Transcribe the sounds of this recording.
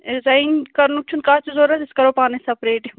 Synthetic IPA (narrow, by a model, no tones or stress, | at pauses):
zɐinkɐɾnuk̚t͡ʃʰunkaːt͡ʃizoːɾɐt̪ɪskɐɾoːpaːnesɐpɾeːʈi